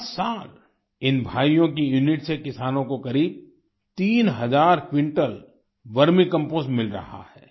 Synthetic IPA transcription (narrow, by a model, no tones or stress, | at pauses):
saːl | ɪnbʱaːijõkijuːnɪʈsekɪsaːnõkokɐɾiːb̚ | t̪iːnɦɐzaːɾkwɪ̃ɳʈəl | ʋɐɾmĩkɐ̃mpoːsmɪlɾɐ̰ha̰hɛː